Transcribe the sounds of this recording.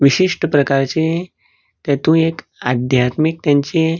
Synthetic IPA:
ʋiɕiʂʈəpɾəkaɾt͡ɕe | t̪ɛt̪ũek | ad̪ʱjat̪mik̚t̪jãɲt͡ɕe

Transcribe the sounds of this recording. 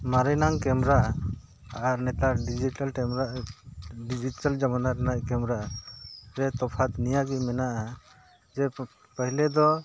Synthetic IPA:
maɾinaŋkɛmɾaʔː | ɾnɛt̪aɖid͡ʒiʈalmɾ | ɖid͡ʒiʈald͡ʒamanaɾnaʔkɛmɾaʔ | ɾɛt̪ɔpʰat̪nijaɡimɛnaʔa | d͡ʒɛ | pəɦilɛd̪ɔ

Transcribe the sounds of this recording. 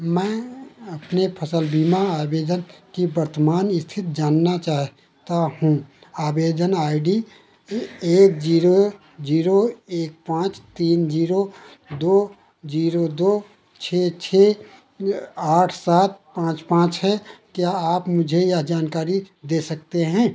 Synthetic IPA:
mɛ̃ːəpnepʰəsəlbiːmaaːbeːd̪ənkibəɾt̪əmaːnɪst̪ʰɪt̪̚ʰd͡ʒaːnːat͡ʃaːɦ | t̪aɦũaːbeːd̪ənaːɪɖi | eːk̚d͡ʒiːɾo | d͡ʒiːɾoeːk̚pãːt͡ʃt̪iːnd͡ʒiːɾo | d̪oː | d͡ʒiːɾod̪oː | t͡ʃʰeːt͡ʃʰeː | aːʈʰsaːt̪̚pãːt͡ʃpãːt͡ʃɦɛkjaaːpmʊd͡ʒʱejad͡ʒaːnkaːɾid̪eːsəkt̪eɦɛ̃ː

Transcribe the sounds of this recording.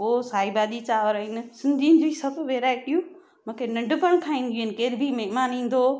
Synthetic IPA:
oːsaːibaːɗ̪it͡ɕaːʋəɾəinsɪ̃nd̪ʱinɪd͡ʑoːisɐbʋeːɾaːeɗijũ | mʊ̃ːkʰenɐɳɖʱʊkəɽ̃kʰãːĩːnd̪ʱiuenɪkeːɾbʱimeɦmaːnĩːn̆d̪oː

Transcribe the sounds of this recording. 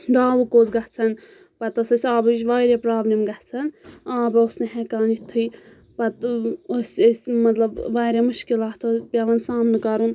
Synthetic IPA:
d̪aːʋukoːt͡sɡɐt͡sʰɐn | pɐt̪osʲosʲaːbɐt͡ʃʋaːjɾepɾaːblimɡɐht͡sʰɐnãːbɐosneɦekaːnit̪ʰːɨj | pɐt̪osesʲmɐt̪lɐbʋaːɾemɨʃkilaːt̪ʰospʲɐʋɐnsaːmnɨkɐɾun

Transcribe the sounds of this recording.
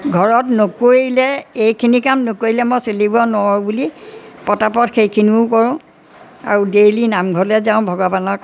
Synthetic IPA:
ɡʱɔɹɔtnokoɹilɛejkʰinikamnokoilɛmɔjsolibɔnɔɔɹbulipɔtapɔtxʰejkʰiniʊkɔɹʊ̃ | a̰ɹudelinamɡʱɔɹlɛzãʊ̃bʱɔɡɔbanɔ

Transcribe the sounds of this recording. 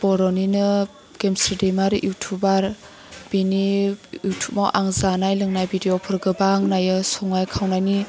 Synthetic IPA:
b̥ɔɾɔninɯ | ɡ̥emsɾidemaɾʔutʰubaɾ | b̥iniutʰup̚mawʔaŋzanajlɯŋnajbidiopʰɯɾɡɯbaŋnajɯsɔŋajkʰawnajni

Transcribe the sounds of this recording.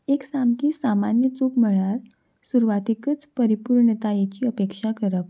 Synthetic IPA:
eksamkiːsamanjət͡sukm̤əɭaɾ | suɾuʋat̪ikət͡spəɾipuɾɳət̪ajet͡ɕiːəpekʂakəɾəp

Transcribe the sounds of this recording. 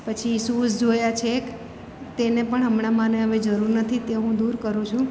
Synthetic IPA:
pət͡ʃʰisusd͡ʒojat͡ʃʰek | t̪enepəɳɦəmɳamãneɦəʋed͡ʒəɾuɾnət̪ʰit̪eɦũd̪uɾkəɾũt͡ʃʰũ

